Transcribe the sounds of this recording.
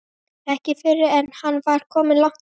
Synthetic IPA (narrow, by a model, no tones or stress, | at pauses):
ɛhcɪfɪɾːɪɛnhanːvaɾ̥kʰɔːmɪnlaŋ̥t̪